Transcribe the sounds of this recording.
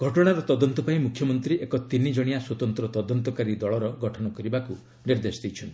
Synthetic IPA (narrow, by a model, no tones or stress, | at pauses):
ɡʱɔʈɔɽ̃aɾɔt̪ɔd̪ɔnt̪ɔpaĩmukʰjɔmɔnt̪ɾiʔekɔt̪inid͡ʒɔɽ̃ijaswɔt̪ɔnt̪ɾɔt̪ɔd̪ɔnt̪ɔkaɾid̪ɔɭɔɾɔɡɔʈʰɔñɔkɔɾibaku | niɾd̪esɔd̪ijt͡ʃʰɔnt̪i